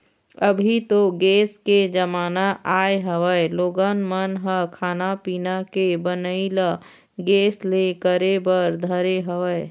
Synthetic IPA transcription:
əbʱit̪oɡeːsked͡ʒəmaːnaʔaːeɦəʋəeloːɡənmənɦəkʰaːnapiːnakebənəilə | ɡeːslekəɾebəɾd̪ʱəɾeɦəʋəe

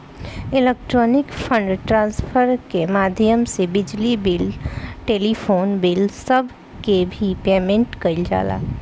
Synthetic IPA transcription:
ɪlek̚ʈɾoːnɪkpʰə̃ɳɖʈɾãːnspʰəɾkemaːd̪ʱjəmsebɪd͡ʒlibɪlʈeːlipʰoːnbɪlsəbʱ | kebʱipeːmẽɳʈkəɪld͡ʒa̰ːla̰

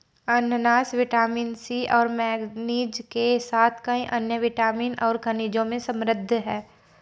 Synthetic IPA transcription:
ɐnjənaːsʋɪʈaːmiːnsiːʔɔːɾmɛːɡniːd͡ʒkesaːt̪ʰkəĩʔɐnjəʋɪʈaːmiːnɔːɾkʰəniːd͡ʒõmẽsə̃mɾəd̪ʱːɦɛː

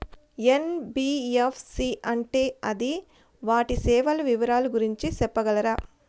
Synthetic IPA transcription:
enbiːefsiʔɐɳʈeːɐd̪i | ʋaːʈisɛːʋɐlɐʋiʋɐɾaːluɡuɾiɲt͡ʃisɛpːɐɡɐlɐɾaː

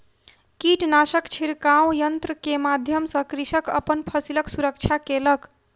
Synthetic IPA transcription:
kiʈnasəkt͡ʃʰiɾkawjənt̪ɾəkemad̪ʱjəmsʌ̃kɾisəkə̰pənpʰəsiləksuɾək̚t͡ʃʰakelək

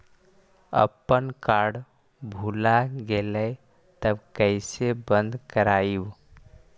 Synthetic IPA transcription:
ə̰pːənkaɾɽ | bʱulaɡeləj | t̪əbkəɪsebənd̪ʱkəɾaib

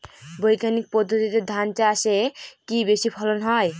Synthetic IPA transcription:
bojkanik̚pɔd̪ʱːot̪it̪ed̪ʱant͡ʃasekibeʃipʰɔlonɦɔj

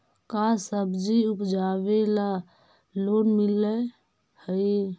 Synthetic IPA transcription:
kasəbd͡ʒiupd͡ʒaβela | lonmilːə | həj

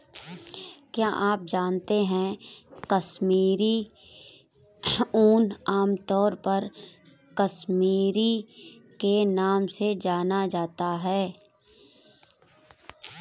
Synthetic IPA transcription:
kjaːʔaːp̚d͡ʒaːnt̪eɦɛ̃kəsmiːɾi | uːnaːmt̪ɔːɾpɐɾ | kəsmiːɾikenaːmsed͡ʒaːnad͡ʒaːt̪aɦɛː

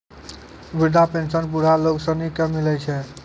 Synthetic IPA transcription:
ʋiɾd̪ʱapensənpuɽ̤aloksənikemilɛt͡ʃʰɛ

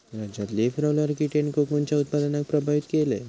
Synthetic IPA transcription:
ɾad͡ʑat̪lefʰɾawlaɾkiʈeɳkokont͡ɕaʊt̪̚pad̪ənak̚pɾəbʱaʋit̪kelḛ

